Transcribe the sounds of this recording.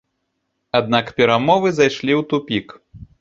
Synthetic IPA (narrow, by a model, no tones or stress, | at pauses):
ad̪̚nakpʲɛɾamɔvɨzajʂlʲiwt̪upʲik